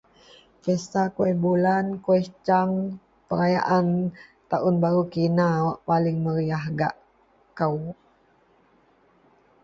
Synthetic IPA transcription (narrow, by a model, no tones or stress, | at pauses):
kesakuɛbulankwɛt͡ʃaŋ | pəɾajaʔant̪aʔʊnbaɾukinawaʔpalɪŋməɾiaɦɡaʔ | kəw